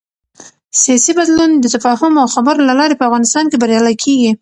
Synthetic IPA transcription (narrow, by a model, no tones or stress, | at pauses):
sijɑsibad̪lund̪ət̪afɑhʊmawxabaɾlalɑɾepəafɣɑnɪst̪ɑnkebaɾjɑlajkʰeɡi